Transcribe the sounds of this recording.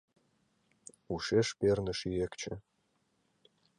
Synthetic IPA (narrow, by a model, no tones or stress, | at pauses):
uʃeʃpernɘ̆ʃiekt͡ɕĕ